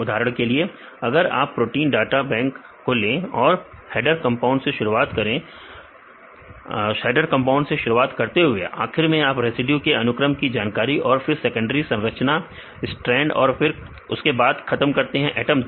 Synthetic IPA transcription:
ʊd̪ʱaːɾəɽ̃kelie | ɐɡəɾa̰ːpːɾoːʈiːnɖaːʈabɛ̃ːŋkː | olẽːɔːɾhɛːɖəɾkɐ̃mpaːʊ̃ɳɖseʃʊɾuaːt̪kɐɾẽ | ʃɛːɖəɾkɐ̃mpaːʊ̃ɳɖseʃʊɾuaːt̪kɐɾt̪eɦʊḛʔa̰ːxɪɾmẽaːpɾeːsɪɖjukeɐnʊkɾəmkid͡ʒaːnkaːɾiʔɔːɾfɪɾsɛkə̃ɳɖəɾisɐ̃nɾət͡ʃna | ɪsʈɾɛ̃ːɳɖɔ̰ːɾfɪɾ | ʊskebaːd̪xʰɐt̪əmkɐɾt̪eɦɛ̃ʔɛːʈəm

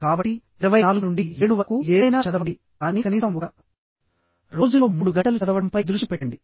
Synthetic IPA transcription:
kaːbɐʈːi | iɾɐʋɐjaːluɡunuɳɖieːɽuʋɐkueːjnaːt͡ʃɐd̪ɐʋɐɽi | kaːniːkɐniːsɐmɔkɐ | ɾo̞ːd͡ʒulo̞ːmuːɽuɡɐʈɐlut͡ʃɐd̪ɐʋɐɽɐmpɐjd̪ɾuʂʈipɛʈːɐɳɖi

